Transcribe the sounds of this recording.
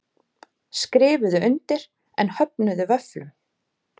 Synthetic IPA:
skɾɪːvʏðʏʏnt̪ɪɾ̥ | ɛ̰nhœpnʏðʏvœflʏ

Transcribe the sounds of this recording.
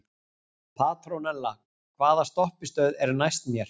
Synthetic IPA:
pʰaːt̪ɾownɛlːa | kʰvaːðast̪ɔhpɪst̪œːɥðɛɾnajst̪mjɛɾ̥

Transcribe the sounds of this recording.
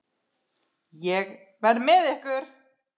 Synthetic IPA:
jɛɣ | vɛɾmɪðɛhkʏɾ̥

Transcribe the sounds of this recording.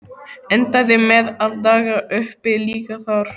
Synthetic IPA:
ɛnt̪aðɪmɛðaðt̪aːɣaʔʏhpɪliːkaθaɾ̥

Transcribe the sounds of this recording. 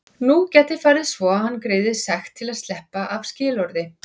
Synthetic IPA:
nucɛːt̪ɪɾfaɾɪðsvɔahanːkɾeːðɪsɛxt̪ʰːɪlaðst̪lɛhpaʔavscɪːlɔɾðɪ

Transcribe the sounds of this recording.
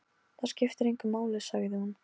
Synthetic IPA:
θascɪft̪ɪɾejŋkʏmaːwlɪsaɣɪðɪhun

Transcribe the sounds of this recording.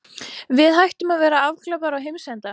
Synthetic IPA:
vɪðɦajht̪ʏmaðvɛːɾaavkʰlœpaɾawɦejmsɛnt̪a

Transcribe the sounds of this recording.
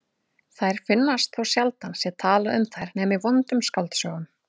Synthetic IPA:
θajɾ̥fɪnːast̪θawsjalt̪ansjɛt̪ʰaːlaʏmθajɾnɛːmɪvɔnt̪ʏmskalt̪sjɔːwɣʏn

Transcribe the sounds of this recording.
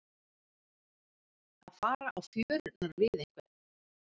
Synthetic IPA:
aðfaːɾaʔawfjœːɾnaɾavɪðeŋ̥kvɪ̥

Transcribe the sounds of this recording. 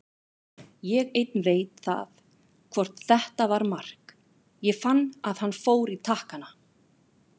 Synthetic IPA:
jɛɣejt̪̚nɾeːjt̪θa̰θ | kʰvɔr̥t̪θɛht̪avaɾmar̥k | jɛfanːaðhanːfoːwɾit̪ʰahkana

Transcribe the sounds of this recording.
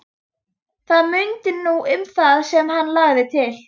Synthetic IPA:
θaðmʏnt̪ɪnuʏmθaðsɛmɦanːlaːɣðɪt̪ʰɪl

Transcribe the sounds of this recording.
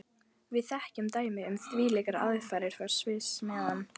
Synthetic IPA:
vɪðθɛhcʏmt̪aːjmɪʏmθviːlɛkaɾa̰ðɪfaːjɾɪɾ̥faɾ̥svɪsmɛːðanː

